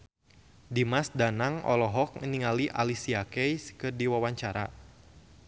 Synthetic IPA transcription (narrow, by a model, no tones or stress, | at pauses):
dimasdanaŋɔ̰lɔɦɔk̚ŋəniŋaliʔa̰lisiakɛjskɨrdiwawaɲt͡ʃaɾa̰